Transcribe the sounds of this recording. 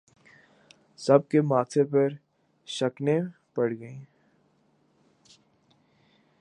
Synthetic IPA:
sɐb̚kemaːt̪ʰepɐɾ | ʃɐknẽ | pɐɽɡɐẽː

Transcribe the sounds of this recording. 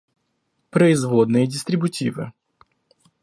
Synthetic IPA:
pɾəɪzvod̪nɨjədʲɪst̪ɾʲɪbʊtʲivɨ̰

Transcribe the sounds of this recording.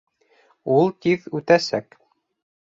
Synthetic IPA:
ulˠt̪iðʉt̪æsæk

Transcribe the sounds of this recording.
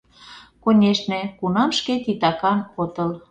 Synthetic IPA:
konʲeʃnekunɑmʃket̪it̪ɑkɑnot̪ɤl

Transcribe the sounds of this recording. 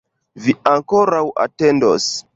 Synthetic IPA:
viaŋko̞ɾawʔa̰te̞ndos

